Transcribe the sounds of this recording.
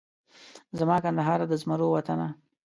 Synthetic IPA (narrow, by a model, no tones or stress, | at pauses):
zamɑkand̪aɦɑɾad̪əzmaɾowat̪ana